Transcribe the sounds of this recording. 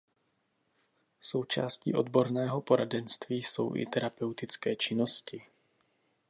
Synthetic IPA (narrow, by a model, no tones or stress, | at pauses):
so̞wt͡ʃaːscḭːʔo̞d̪bo̞ɾnɛːɦo̞po̞ɾadɛnst̪viːso̞̰wʔɪ̰t̪ɛɾapɛwt̪ɪt͡skɛːt͡ʃɪnoscɪ